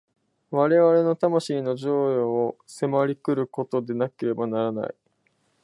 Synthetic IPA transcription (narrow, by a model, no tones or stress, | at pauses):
βaɾe̞βaɾe̞no̞t̪amaɕiːno̞ʑo̞ːjoːse̞maɾʲikɯ̟ɾɯ̟ko̞t̪o̞d̪e̞nake̞ɾe̞banaɾana̰i